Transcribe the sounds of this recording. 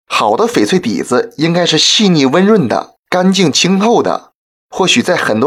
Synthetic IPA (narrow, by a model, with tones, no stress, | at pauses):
xɑ˨˩ʊd̪ə˦fe˨˩ɪt͡sʰwe˥˩ɪt̪ḭ˨˩d͡zɹ̩˦i˥ŋka˥ɪʂɻ̩˥˧ɕi˥˧ni˥˩wə˥nɻwə˥˩nd̪ə̰˩ | ka˥nt͡ɕi˥˩ŋt͡ɕʰi˥ŋxo˥˩ʊd̪ə̰˩ | xwɔ˥˩ɕy˨˩t͡sa˥˩ɪxə˨˩nt̪w